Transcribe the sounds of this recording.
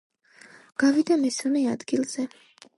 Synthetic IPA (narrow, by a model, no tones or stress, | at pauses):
ɡ̥avid̪amɛsmɛad̪ɡilˠz̥ɛ